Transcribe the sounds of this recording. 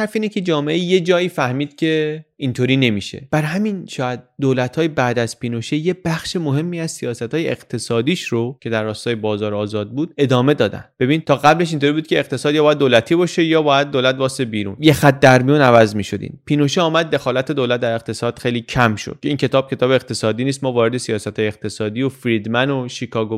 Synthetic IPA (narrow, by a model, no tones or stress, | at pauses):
hæɾfiːnecʰe̞d͡ʒɒːmeʔeje̞d͡ʒɒːiːfæhmiːd̪̥cʰe̞int̪ʰoːɾiːne̞miːʃḛb̥æɾɦæminʃɒːæd̪̚d̪oːlæt̪ʰhɒːjebæːd̪æz̥piːnoʃejeb̥æxʃemoɦe̞mːiːæzsijɒːsæt̪hɒːjeeɣt̪ʰe̞sɒːd̪iːʃɾo̞cʰe̞d̪æɾːɒːst̪ɒːje̞bɒːzɒːɾɒːzɒːd̪̚buːd̪̥̚e̞d̪ɒːme̞d̪ɒːd̪æ̰nd̪be̞biːn̚t̪ʰɒːɣæble̞ʃ̬int̪ʰoɾibud̪kcʰeːqt̪ʰe̞sɒːd̪jɒːbɒːjæd̪olæt̪ʰiːbɒːʃe̞jɒːbɒːjæd̪̚ːolæt̪̚bɒːsebiːɾṵːnjexæt̪̚d̪æɾmijuːnævæzmiːʃo̞d̪ḭnpʰiːnoʃeɒːmæd̪̚ːe̞xɒːlæt̪ʰe̞d̪olæt̪̚d̪æɾe̞q̚t̪ʰesɒːd̪̥xe̞jliːcʰæmʃo̰d̪̥̚cʰeiːncʰe̞t̪ɒːb̥̚cʰe̞t̪ʰɒːbeeqt̪ʰe̞sɒːd̪iːniːs̬t̪mɒːvɒːɾed̪esijɒːsæt̪hɒːjeeqt̪ʰe̞sɒːd̪iːjofɾid̪mænoʃikʰɒːɡo